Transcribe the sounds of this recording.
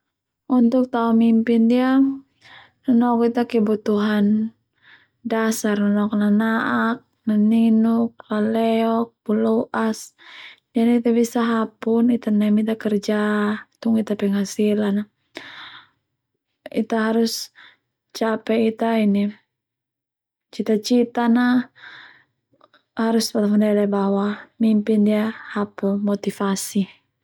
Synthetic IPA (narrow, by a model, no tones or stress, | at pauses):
unt̪ʊk̚t̪aumimpindia | nanɔkit̪akɛbut̪uɦan | dasarnanɔknanaʔak̚naninuk̚lalɛɔk̚puluʔasd͡ʒaniit̪abisaɦapunit̪anamit̪akɛrd͡ʒat̪uŋit̪apɛŋɦasilana | it̪aɦaɾus | t͡ʃapɛit̪aini | t͡ʃit̪at͡ʃit̪ana | haɾuspat̪amandɛlɛbawamimpindiahapunmɔt̪ifasi